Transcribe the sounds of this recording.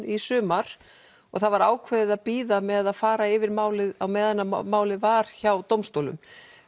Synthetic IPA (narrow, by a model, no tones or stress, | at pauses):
isʏːmaɾ̥ | ɔɣθaðvaɾaːwkʰvɛðɪðaðpiːðamɛðaðfaːɾaɪvɪɾmaːwlɪðawmɛːðanːamaːwlɪvaːɾ̥çawt̪owmst̪owlʏ̰m